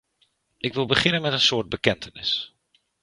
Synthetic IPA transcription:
ʔɪkʋɪlˠbəχɪnənmɛtənsʊːd̚bəkɛntənɪ̰s

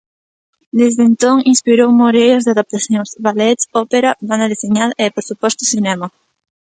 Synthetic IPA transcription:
d̪ezðent̪oŋinspiɾowmoɾejozðeaðap̚t̪aθjoŋsβalet̪sopeɾaβand̪aðiseɲaðepoɾsupost̪osinema

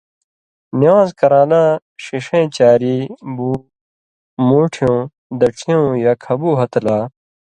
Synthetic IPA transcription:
niwãːzkɐɾaːlãː | ɕiʂẽːt͡ɕaːɾiːbuː | muːʈʰijõː | d̪ɐʈ͡ʂʰijõːjaːkʰɐbuːɦɐt̪laː

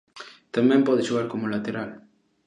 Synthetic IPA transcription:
t̪amɛ̃mpɔðɪʃuɣaɾkomolat̪eɾal

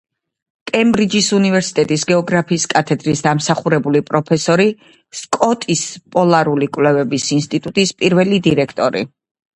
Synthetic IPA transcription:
kʼɛmbɾid͡ʒisunivɛɾsi̥t̪ʼɛt̪ʼisɡɛɔɡɾapʰiːskʼat̪ʰɛd̪ɾisd̪amsaχuɾɛbulipʼɾɔpʰɛsɔɾi | skʼɔt̪ʼispʼɔlˠaɾulikʼwlɛvɛbisinst̪ʼit̪ʼut̪ʼispʼiɾvɛlid̪iɾɛkʰt̪ʼɔɾḭ

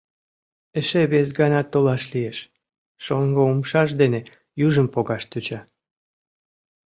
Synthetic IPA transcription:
eʃeβesɡɑnɑt̪ːolɑʃlieʃ | ʃoŋɡoumʃɑʃ̬d̪ene | juʒəmpoɣɑʃt̪yt͡ɕɑ

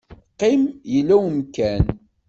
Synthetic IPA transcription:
qimjəlːæwəmkæn

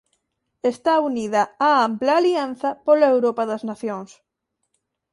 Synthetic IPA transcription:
est̪auniðɐaamplaːlianθɐpolaewɾopɐðɐznaθjoŋs

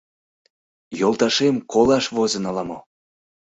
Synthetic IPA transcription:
jolˠt̪ɑʃemkolɑʃvozə̆nɑlɑmo

